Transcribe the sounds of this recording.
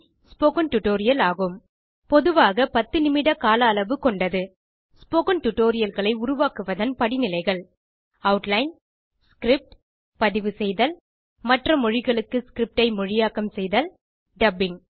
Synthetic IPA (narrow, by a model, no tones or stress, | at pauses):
spoːkɐnʈʊʈoːɾɪjɐlaːɣɯm | pɔðɯʋaːɣɐpɐt̪ːɯnɪmɪɽɐkaːlɐːlɐʋɯkɔɳɖɐðɯ | spoːkɐnʈʊʈːoːɾɪjɐlɣɐɭɐɪʊɾʊʋaːkɯʋɐðɐnpɐɽɪnɪlɐɪɣɐɭ | ɐʊʈlɐɪn | skɾɪp̚ʈ | pɐðɪʋɯsɛjðɐl | mɐʈrɐmɔɻɪɣɐɭɯkːɯskɾɪp̚ʈɐɪmɔɻɪjaːkɐmsɛjðɐl | ɖɐbɪŋ